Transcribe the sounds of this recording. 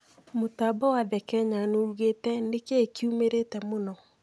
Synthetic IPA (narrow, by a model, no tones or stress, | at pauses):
motabawaðɛkɛɲanouɣetɛnekekiumeɾetɛmonɔ